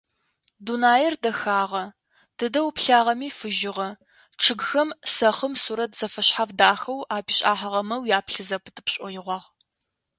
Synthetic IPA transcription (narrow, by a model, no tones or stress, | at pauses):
dunaːjɛrdɐxaːʁɐ | d̥ɨdɐwpɬaːʁɐmiːfɨʒɪʁɐ | ʈ͡ʂʰɨɡxɐmsɐχəmsuːɾɐtʰz̥ɐfɐɕħavdaːxɐwaːbiɕʼa̰ːħɐʁɐmɐwjaːpɬɨzɐpʰɨtʰɨpɕʼɔjɪʁʷɑːʁ